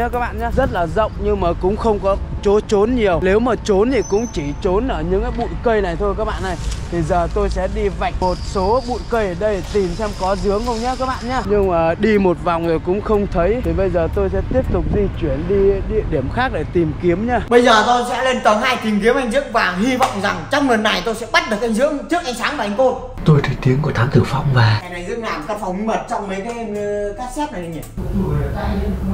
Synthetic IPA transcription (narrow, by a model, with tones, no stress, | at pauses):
kaː˦˥k̚ɓa̰ː˧˨ɲaː˨˦zə˦˥t̚laː˨˩zə̰˧˨wŋ͡mɲɨ˧ŋmaː˨˩kʊ̰˧˥ŋ͡mxə˧wŋ͡mkɔ˨˦t͡ɕo˨˦t͡ɕo˨˦nɲi˨˩əwne˨˦wməː˨˩t͡ɕo˨˦nt̪ʰi˨˩kʊ̰˧˥ŋ͡mt͡ɕi˧˩t͡ɕo˨˦nʔəː˧˩ɲɨ̰˧˥ŋkaː˨˦ɓṵ˧˨jkə˧jna˨˩jt̪ʰo˧jkaː˦˥k̚ɓa̰ː˧˨nːa˨˩jt̪ʰi˨˩zəː˨˩t̪o˧jsɛ̰˧˥ɗi˧va˨˩jk̟̚mo˨˩t̚so˨˦ɓṵ˧˨jkə˧jə˨˩ɗə˧jt̪i˨˩msɛ˧mkɔ˨˦zɨ˨˦əŋhə˧wŋ͡mɲəː˨˦kaː˦˥k̚ɓa̰ː˧˨nɲaː˧ɲɨ˧ŋmaː˨˩ɗi˧mo˨˩t̚va˨˩wŋ͡mzo˨˩jkʊ̰˧˥ŋ͡mxə˧wŋ͡mt̪ʰə˨˦j̪ʰi˨˩ɓə˧jzəː˨˩t̪o˧jsɛ̰˧˥t̪i˦˥əp̚t̪ʊ˨˩k͡p̚zi˧t͡ɕwi˧˩ənɗi˧ɗḭ˧˨əɗi˧˩əmxaː˦˥k̚ɗe˧˩t̪i˨˩mki˨˦əmɲaː˧ɓə˧jzəː˨˩t̪o˧sɛ̰˧˥le˧nt̪əː˨˦ɦaː˧jt̪i˨˩mk̬i˨˦əmʔa˧jŋzɨ̰˧˥əŋvaː˨˩ŋɦi˧vɔ̰˧˨wŋ͡mza˨˩ŋt͡ɕɔ˧wŋ͡mnə˨˩nːa˨˩jt̪o˧jsɛ̰˧˥ɓa˦˥t̚ɗɨ˨˩ək̚ʔa˧ŋ̟zɨ̰˧˥əŋt͡ɕɨ˦˥ək̚ʔa˧ŋ̟saː˨˦ŋvaː˨˩ʔŋ̟ko˧n | t̪o˧jt̪ʰə˨˦jt̪i˨˦əŋku˧˩t̪ʰaː˨˦mt̪ɨ˨˧˩wfa̰˧˨wŋ͡mvaː˨˩a˨˧˩jna˨˩jzɨ̰˧˥əŋlaː˨˩mkaː˨˦˥fa˨˩wŋ͡mi˧mə˨˩t̚t͡ɕɔ˧wŋ͡mməː˨˦jkaː˨˦˧m˧kaː˦˥k̚sɛ˦˥p̚ɗa˨˦jŋ˨˩˧a˧